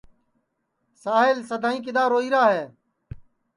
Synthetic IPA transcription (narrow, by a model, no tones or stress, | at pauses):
saːɦɪlsəd̪ʱaːĩːk̬ɪd̪aːɾoːiːɾaːɦeː